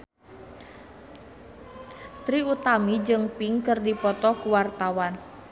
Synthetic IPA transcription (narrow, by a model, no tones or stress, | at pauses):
t̪ɾiut̪amid͡ʒɨŋpiŋkɨrdipɔt̪ɔkuwart̪awan